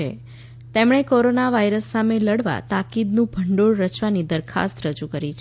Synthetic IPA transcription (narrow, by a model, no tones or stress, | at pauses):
ḛ | t̪emɳ̃ekoɾonaʋajɾəsːameləɽʋa̰t̪akid̪nũbʱəɳɖoɭɾət͡ʃʋanid̪əɾkʰa̰st̪ɾəd͡ʒukəɾit͡ʃʰ